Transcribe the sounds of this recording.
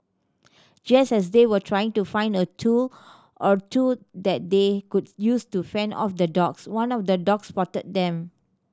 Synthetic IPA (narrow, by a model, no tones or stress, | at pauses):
d͡ʒasɛs̬dewətʰɹajɪ̃ŋtufãɪ̃ndətʰu | ʔɔtʰudɛt̚dekud̚justufɛ̃nɔ̰fdədɔkswãnɔfdədɔkspɔtət̚dɛ̃m